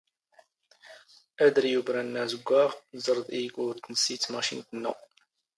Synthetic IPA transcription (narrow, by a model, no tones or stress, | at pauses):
æd̪əɾjubɾænːæzəɡʷːaʁzˤəɾˤðˤiɡʊɾt̪nəsit͡sːmæʃint̪ənːṵ